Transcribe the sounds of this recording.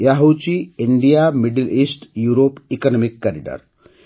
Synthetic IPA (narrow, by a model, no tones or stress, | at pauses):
jaɦowt͡ɕiiɳɖijamiɖilʔisʈjuɾopikɔnɔmikːaɾiɖə̰ɾ